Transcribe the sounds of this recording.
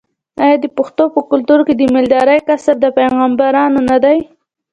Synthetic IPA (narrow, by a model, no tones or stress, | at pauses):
ɑjɑd̪əpʊxt̪opəkʊlt̪uɾked̪əmɪld̪ɑɾajkasaɾd̪əpajɣɑmbaɾɑnonad̪aj